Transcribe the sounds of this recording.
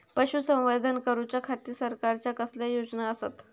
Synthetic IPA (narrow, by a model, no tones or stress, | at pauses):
pəɕuːsə̃wʋad̪ʱənkəɾut͡ɕakʰat̪iːsəɾkaɾt͡ɕjakəslajod͡znaəsa̰t̪